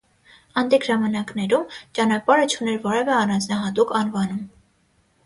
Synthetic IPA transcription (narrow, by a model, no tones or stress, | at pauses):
ɑnd̪iɡʒɑmɑnɑknɛɾumt͡ʃɑnɑpɑɾət͡ʃʰunɛɾvɔɾɛvɛɑrɑnd͡znɑɦɑt̪ukʰɑnvɑnum